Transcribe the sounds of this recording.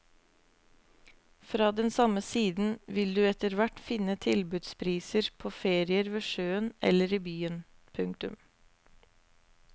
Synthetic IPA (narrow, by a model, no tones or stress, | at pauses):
fɾɑːd̪ɛnsɑməsiːd̪n̩ʋɪld̪ʉːɛt̪əɾʋæʈfɪnət̪ʰɪlbʉd̪spʰɾiːsəɾpʰoːfeːɾɪəɾʋeːʃøːənʔɛ̰ləɾiːbyːənpʰʉŋk̚t̪ʉm